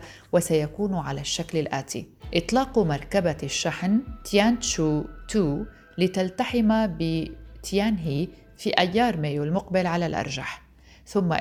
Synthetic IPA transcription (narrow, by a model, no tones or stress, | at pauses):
wasajakuːnʕalaʃːaklɪlʔaːt̪ḭ | ʔɪt̪ˤlɑːqumɑɾˤkabaʃːaħnt̪jaːnʃut̪uː | lɪt̪alt̪aħɪmabɪt̪jaːnɦi | fiʔajːɑːɾˤmeːjulmʊqbɪlʕalalʔɑ̰ɾˤʒa̰ħ | θʊmːa̰